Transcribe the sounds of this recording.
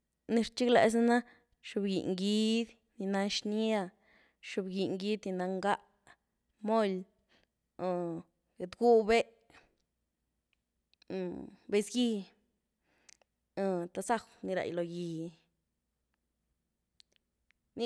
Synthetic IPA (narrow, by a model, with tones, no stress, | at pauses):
ni˧ɾt͡ʃi˦klḛ˧˨s̬na˦na˦ | ʃu˧˨bɡḭ˨ʔŋɡi˦d̪ | ni˧na˧ʃni˦a˧ | ʃu˧˨bɡi˨ŋɡi˦d̪ni˧na˧ŋɡa˦ʔ | mo˦l | ɡe˨d̪ɡu˦be˦ʔ | be˧sɡi˧ | t̪a˧sa˦˧wni˧ɾa̰˨jlo˨ji˧ | ni˦